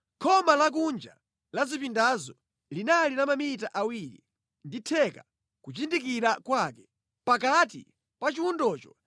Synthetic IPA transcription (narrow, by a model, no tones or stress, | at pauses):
kʰɔmalak̬und͡ʒa̰ | lazipindazɔ | linalinamamitaʔawiɾḭ | nditʰɛka | kut͡ʃindikiɾakwakɛ | pakatḭ | pat͡ʃiwundɔːt͡ʃɔ̥